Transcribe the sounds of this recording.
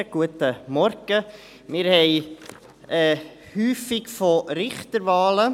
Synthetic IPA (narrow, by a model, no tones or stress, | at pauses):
ɡ̥uətəmɔɾɡ̥ə | mɪɾhɛɪ | ɛ | hyːfɪkfoɾɪχt̪əɾʋɑːlə